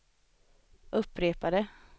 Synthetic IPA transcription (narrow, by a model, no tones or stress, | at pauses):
ʔɵpːɾeːpad̪ə